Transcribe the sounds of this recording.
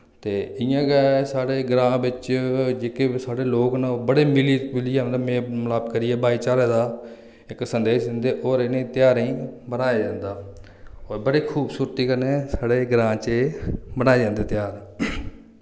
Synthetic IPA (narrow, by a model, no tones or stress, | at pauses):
t̪eːɪjãːkesaːɽeːɡɾãːbɪt͡ʃd͡ʒeːkeːsaːɽeːloːknaobəɽeːmɪliːmɪliːaːmd̪amẽːməlaːbkəɾiɛːbaːiːt͡ʃaːɾeːd̪aː | ɪksənd̪eːʃd̪ɪnd̪eːʔoːɾenẽːt̪ɪjaːɾĩːbənaːjaːd͡ʒãːnd̪aː | oːɾbəɽeːkʰuːbsuːɾt̪iːkəɾneːsaːɽeːɡɾãːt͡ʃeːbənaːed͡ʒãːnd̪eːt̪ɪjaːɾ